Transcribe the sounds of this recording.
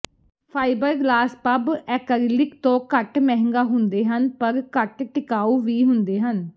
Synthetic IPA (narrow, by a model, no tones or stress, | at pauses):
pʰaːibəɾɡlaːspəbɛːkəɾlɪkt̪õːkəʈmɛɦŋɡaːɦʊnd̪eːɦənpəɾkəʈʈɪkaːuːʋiːɦʊnd̪eːɦən